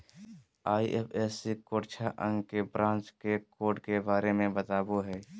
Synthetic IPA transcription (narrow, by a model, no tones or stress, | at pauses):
aːiʔepʰɛːsikoːɽt͡ʃʰaʔə̰̃ŋɡkebɾãːnt͡ʃkekoːɖkebaːɾemẽbət̪aːboɦɛː